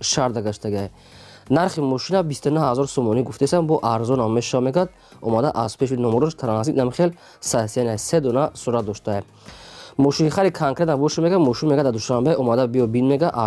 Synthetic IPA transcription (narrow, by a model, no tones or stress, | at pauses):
ʃaɾd̪aɡaʃt̪ʰaɡiaj | naɾχimɔʃinabist̪unuhhazɔɾsɔmɔniɡuft̪ʰest̪anbɔʔaɾzɔnammːeʃameɡad̪̚ | ɔmad̪aʔaz̥pʰeʃinɔmɔɾɔʃt̪ʰɾanasid̪namiχel | sasianajsed̪ɔnasuɾat̪̚d̪ɔʃt̪a | mɔʃinχaɾikʰaŋkʰɾet̪abɔʃameɡamɔʃinmeɡad̪ad̪uʃambeɔmad̪abijɔbinmeɡaʔ